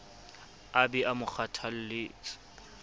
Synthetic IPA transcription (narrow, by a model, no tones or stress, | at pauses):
abɛʔamʊk͡xatʰal̩lɪːt͡s